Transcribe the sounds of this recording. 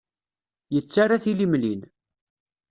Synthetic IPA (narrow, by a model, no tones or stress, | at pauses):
jət͡sːaɾaθilimlin